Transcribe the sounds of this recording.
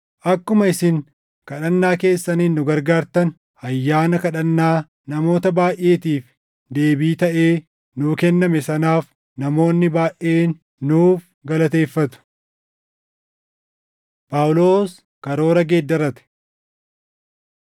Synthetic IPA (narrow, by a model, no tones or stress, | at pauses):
ʔɐkːʊmɐɪsɪŋ | kɐᶑɐnːaːke̞ːsːɐniːnːʊɡɐɾɡaːɾt̪ɐn | ɐjːaːnɐkɐᶑɐnːaː | nɐmo̞ːt̪ɐbaːʔe̞ːt̪iːf | d̪e̞ːbiːt̪ɐʔe̞ː | nʊkɛnːɐmɛsɐnaːf | nɐmo̞ːnːɪbaːʔe̞ːnː | uːf | ɡɐlɐt̪e̞ːfːɐt̪ʊ̥ | paːwʊlo̞ːs | kɐɾo̞ːɾɐɡeːd̪ːɐɾɐt̪ɛ̥